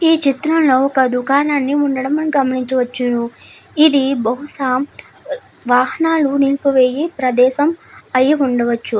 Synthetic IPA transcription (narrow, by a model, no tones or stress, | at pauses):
iːt͡ʃit̪ɾɐmlo̞ːɔkɐd̪ukaːnaːnːiuɳɖɐɽɐmɐnɡɐmɐniɲt͡ʃɐʋɐt͡ʃːunuid̪ibɐɦuʂaːm | ʋaːɦɐnaːluniːkuʋeːjipɾɐd̪ɛːʃɐmɐjiuɳɖɐʋɐt͡ʃːu